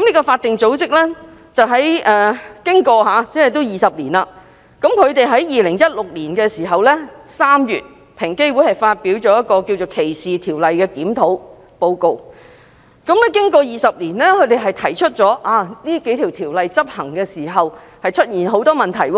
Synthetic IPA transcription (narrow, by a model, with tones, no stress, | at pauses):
kɐ˦mniː˥kɔ˧faː˧t̪ːɪ˨ŋt͡so˨˥wt͡sɪ˥k̚lɛː˥ | t͡sɐ˨wɦɐ˨˥jʔɛː˨˧kɪ˥ŋkɔː˧haː˨˧t͡sɛ˥hɛ˨jt̪̬o˥wjiː˨˩sɐ˨p̚liː˨˩nlaː˧ | kɐ˨˥mkʰɵ˨˧ɥt̪e˨jɦɐ˨˥jjiː˨lɪ˨˩ŋjɐ˥t̚lʊ˨k̚liː˨˩nkɛː˧siː˨˩ɦɐ˨wlɛː˥saː˥mjyː˨t̚ | pʰɪ˨˩ŋke˥jwu˨˥hɐ˨˩jfaː˧t̚piː˨˥wt͡ʃɔː˨˧˥jɐ˥t̚kɔː˧ki˧wt͡so˨wkʰe˨˩jsiː˨t̪ʰiː˨˩wlɐ˨jkɛː˧kiː˨˥mt̪ʰo˨˥w | po˧wko˨˧w | kɐ˨˥mlɛː˥kɪ˥ŋkɔː˧jiː˨˩sɐ˨p̚liː˨˩nlɛː˥kʰɵ˨˧ɥt̪e˨jɦɐ˨jt̪ʰɐ˨˩jt͡ʃʰɵ˥t̚t͡ʃɔː˨˥ʔaː˨˧niː˥ke˨˥jt̪ʰi˨˩wt̪ʰiː˨˩wlɐ˨jt͡sɐ˥p̚hɐ˨˩ŋkɛː˧siː˨˩ɦɐ˨w | hɐ˨jt͡ʃʰɵ˥t̚jiː˨˩nɦo˨˥wt̪ɔː˥mɐ˨nt̪ʰɐ˨˩jwɔː˧